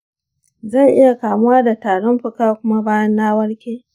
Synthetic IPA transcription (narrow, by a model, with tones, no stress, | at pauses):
zɐ˦˨ŋʔɪ˦ja˨kaː˨mʊ˦waː˦da˨taː˨ɽɔ˦mɸʊ˦kaː˦kʷʊ˦ma˦baː˦jɐ˦nːaː˦wɐ˦ɽkʲeː˦